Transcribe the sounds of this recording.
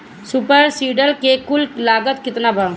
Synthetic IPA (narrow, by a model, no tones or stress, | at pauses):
sʊpəɾsiːɖəlkekʊllaːɡət̪kɪt̪nabʱa